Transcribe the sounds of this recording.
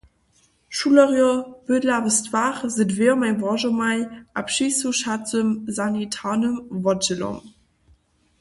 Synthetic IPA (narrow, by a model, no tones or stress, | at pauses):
ʃulɐʁjɔb̥ədlavəstvaχzədvemæŋbʁɑʒəmaɪʔapʃisuʃat͡səmzanitʰaːnəmvɑdd͡ʑəlo̰m